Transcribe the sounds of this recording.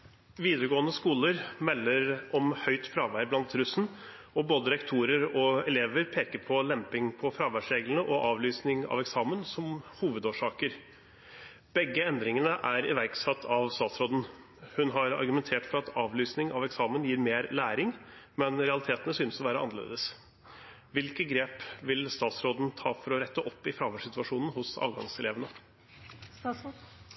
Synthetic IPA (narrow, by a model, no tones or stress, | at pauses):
ʋiːd̪əɾəɡoːənəskuːləɾmɛlːəɾʔɔmhœʏt̪fɾɑːʋæɾblɑnt̪ɾʉsn̩ | ɔboːd̪əɾɛkt̪ʰuːɾəɾɔɛleːʋəɾpʰeːkəɾpʰɔlɛmpɪŋpʰɔfɾɑːʋæʂɾeːɡlənəʔɔʔɑːʋlyːsnɪŋɑ̰ʋɛksɑːmənsɔmhuːʋəd̪oːʂɑːkəɾ | b̥ɛɡːəɛnd̪ɾɪŋənəʔæɾɪ̰ʋæɾksɑt̪ʰːɑʋst̪ɑːt̪sɾoːd̪n̩ | hʉnɦɑɾɑ̰ɾɡʉmɛnt̪ʰeːʈfɔɾɑt̪ʰɑːʋlyːsnɪŋɑ̰ʋɛksɑːmənjiːɾmeːɾlæːɾɪŋmɛnɾɛɑlɪt̪ʰeːt̪ənəsyːnsɔʋæːɾəʔɑ̰nːəɭḛːd̪əs | ʋɪlkəɡɾeːpʋɪlst̪ɑːt̪sɾoːd̪n̩t̪ʰɑːfɔɾɔɾɛt̪ːəʔɔpːɪfɾɑːʋæʂɪt̪ʉɑʂuːnən̩hʊsɑ̰ːlɡɑ̰ŋsɛleːʋənə